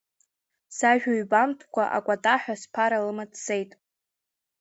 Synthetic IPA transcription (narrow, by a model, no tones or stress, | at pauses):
saʒᶣaɥbantʰkʷʰaʔa̰kʷʼatʼaħʷᶣaspʰaɾalɨmatʰse̞jtʼ